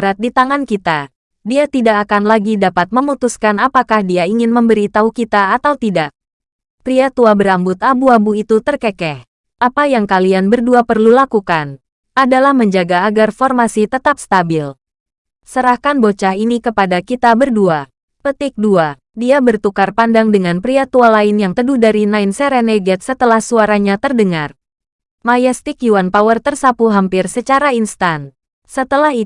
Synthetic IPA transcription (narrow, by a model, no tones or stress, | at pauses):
ɾat̪̚dit̪aŋankit̪a | diat̪idakːkanlaɡidapat̪̚məmut̪uskanapakahdiaiŋɪnməmbəɾit̪aukit̪aːt̪awt̪idak̚ | t̪ɾiat̪uabəɾambʊt̪abuabuit̪ut̪ərkɛkɛh | ʔapajaŋkalianbərduapərlulakukan | ʔadalahməɲd͡ʒaɡaːɡarfɔrmasit̪ət̪ap̚st̪abɪl | səɾahkanbot͡ʃahinikəpadakit̪abərdua | pət̪ɪk̚dua | diabərt̪ukarpandaŋdəŋanpɾiat̪ualaɪnjaŋt̪əduhdaɾinainsɛɾɛnɛɡɛt̪̚sət̪əlahsuaɾaɲat̪ərdəŋar | majɛst̪ɪkjuanpawərt̪ərsapuɦampɪrsət͡ʃaɾainst̪an | sət̪əlaɦ